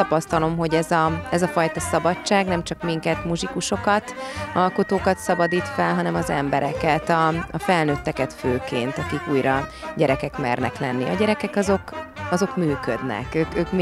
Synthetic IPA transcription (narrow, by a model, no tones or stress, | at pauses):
t̪ɒpɒst̪ɒlo̞mɦo̞ɟɛzɒɛzɒfɒjt̪ɒsɒbɒt͡ʃt͡ʃːaːɡnɛmt͡ʃɒkmiŋkɛt̪muʒikuʃo̞kɒt̪ɒlko̞t̪oːkɒt̪sɒbɒd̪iːt̪fɛlɦɒnɛmɒzɛ̰mbɛɾʔɛkɛt̪ɒɒfɛlnøːt̪ːɛkɛt̪føːkeːnt̪ɒkikuːjɾɒɟɛɾɛkɛkmɛrnɛklɛnːiɒ̰ɟɛɾɛkɛkɒzo̞kɒzo̞kmyːkød̪nɛ̰køːkøːk